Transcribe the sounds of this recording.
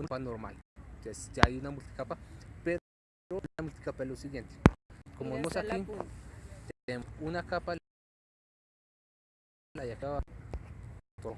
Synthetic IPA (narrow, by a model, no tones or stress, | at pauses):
upanoɾma̰lt̪wesd͡ʒaajunamult̪i̥kapape | oamult̪i̥kapaelosiɣjent̪e̥komoemosaki | t̪eeunakapa | lajakaβa | t̪o